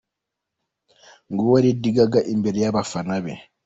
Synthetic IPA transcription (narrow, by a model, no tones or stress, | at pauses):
ŋɡɔwaɾidiɡaɡaʔimbɛɾjabafanabɛ̰